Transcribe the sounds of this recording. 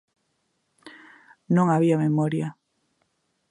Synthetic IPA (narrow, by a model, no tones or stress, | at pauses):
nõŋaβiamemɔɾja